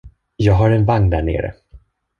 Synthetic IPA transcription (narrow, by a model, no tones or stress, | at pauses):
jɑːɡɦaɾɛnvaŋnd̪æɳḛːɾə̰